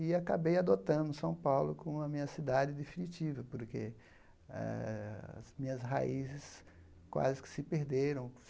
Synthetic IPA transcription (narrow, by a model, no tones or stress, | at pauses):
ɪakabejad̪ot̪ɐ̃d̪ʊsɐ̃w̃pawlʊkõɐmĩɲɐsid̪ad͡ʒɪd̪efĩnit͡ʃivɐpoɾkḛ | ɛ̰ɐ̰zmĩɲɐsɦa̰izɪs | kwa̰zɪkɪ̥sɪpeɾd̪eɾɐ̃w̃